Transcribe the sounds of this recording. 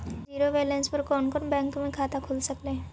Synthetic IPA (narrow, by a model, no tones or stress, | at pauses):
ziːɾobeːlẽnspəɾkɔːnkɔnbɛ̃ːŋkmẽkʰaːt̪akʰʊlsɐklẽː